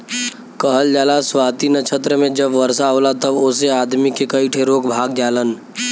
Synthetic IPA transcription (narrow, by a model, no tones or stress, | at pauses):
kəɦəld͡ʒaːlaswaːt̪inət͡ʃʰət̪ɾəmẽd͡ʒəbʋəɾsaɦolat̪əboːseaːd̪mikekəiʈʰeɾoːkbʱaːɡd͡ʒjaːlən